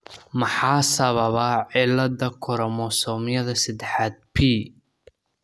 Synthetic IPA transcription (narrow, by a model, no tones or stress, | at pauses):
mɑħɑːsɐβɐβaʕɪlɐd̪ɐkʰɔɾɔmɔsɔːmɪjɐðɐsɐd̪ɛħaːd̪̚pʰiː